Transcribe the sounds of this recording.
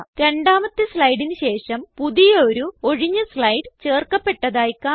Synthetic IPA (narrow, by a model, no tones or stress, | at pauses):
ɾe̞ɳɖaːmɐt̪ːɨsɭɐjɽinɕe̞ːʂɐmpuðijɐoɾuo̞ɻiɲːɐslɐjɖɨt͡ɕe̞ːrkɐpːe̞ʈːɐðaːjkːaː